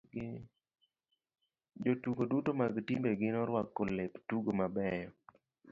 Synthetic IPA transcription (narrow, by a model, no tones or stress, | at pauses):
d͡ʒotuɡodutomaɡtimbeɡɪnɔɾwakːoleptuɡomabɛjɔ